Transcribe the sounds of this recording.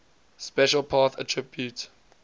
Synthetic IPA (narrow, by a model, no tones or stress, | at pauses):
spɛʃəlˠpʰaːθə̰tʰɹɪbjut